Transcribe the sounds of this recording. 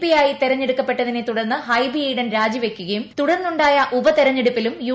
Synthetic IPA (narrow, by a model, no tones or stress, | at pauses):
pijaːjit̪eɾɐɲːeɽukːɐpːe̞ʈːɐðinet̪uɽɐrnːɨɦɐjbiɐjɽɐnɾaːd͡ʑiʋekʲːuɣɐjumt̪uɽɐrnːuɳɖaːjɐʔubɐt̪eɾɐɲːeɽupːilumju